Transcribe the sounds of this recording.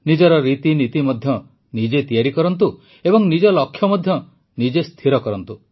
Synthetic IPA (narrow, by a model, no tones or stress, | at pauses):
nid͡ʒɔɾɔɾit̪init̪imɔd̪ʱjɔ | nid͡ʒet̪ijaɾikɔɾɔnt̪u | ebɔŋnid͡ʒɔlɔkʰjɔmɔd̪ʱjɔ | nid͡ʒest̪ʰiɾɔkɔɾɔnt̪u